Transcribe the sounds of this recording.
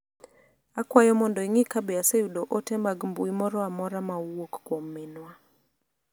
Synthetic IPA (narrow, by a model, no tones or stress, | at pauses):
akwajɔmɔndɔiŋikabɛaseudoʔotɛmaɡmbuimɔɾɔamɔɾamawokːwomːenwa